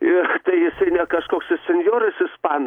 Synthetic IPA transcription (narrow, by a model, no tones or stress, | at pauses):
ɪt̪ɐɪjɪsɐɪnʲɛkɐʃkoːksɪssʲɛnʲjoːɾɐsɪspɑːn